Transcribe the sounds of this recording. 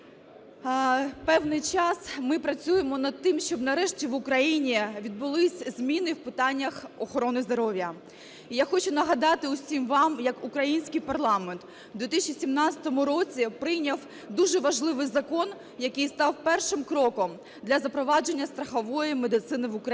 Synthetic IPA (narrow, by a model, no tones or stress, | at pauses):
pɛwnɪjt͡ʃɑsmɪpɾɐt͡sʲujemɔnɐd̪̚t̪ɪmʃt͡ʃɔbnɐɾɛʃtʲiʋʊkɾɐjinʲiʋʲid̪̚bʊlˠɪsʲzʲmʲinɪwpɪt̪ɑnʲːɐxɔxɔɾɔnɪzd̪ɔɾɔʋʲjɐ | ijaxɔt͡ʃʊnɐɦɐd̪ɑt̪ɪʊsʲimʋɑmjɐkʊkɾɐjinʲsʲkɪjpɐrlˠɑment̪ | d̪ʲʋʲit̪isʲt͡ʃisʲimnɑt͡ssʲɐ̥t̪ɔmʊɾɔt͡sʲipɾɪjnʲɐw | d̪uʒɛʋɐʒlˠɪʋɪjzɐkɔn | jɐkɨjst̪ɑwpɛrʃɪmkɾɔkɔm | d̪lʲɐzɐpɾɔʋɑd͡ʒe̞nʲːɐst̪ɾɐxɔʋɔjimed̪ɪt̪sɪnɪʋʊkɾɐ